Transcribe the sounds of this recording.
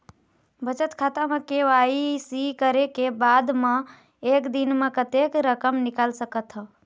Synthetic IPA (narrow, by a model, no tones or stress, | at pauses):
bət͡ʃət̪kʰat̪amẽkeʋaisikəɾekebad̪mẽ | ekd̪inmekət̪ekɾəkəmnikalsəkət̪ɦə